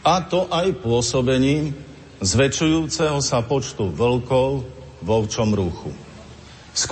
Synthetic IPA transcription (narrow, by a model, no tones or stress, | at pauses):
at̪ɔʔajpʊɔsɔbɛɲiːm | zʋɛt͡ʃujuːt͡sɛɦɔsapɔt͡ʃt̪uʋlkɔʊ | ʋɔʊt͡ʃɔmɾuxṵ | sk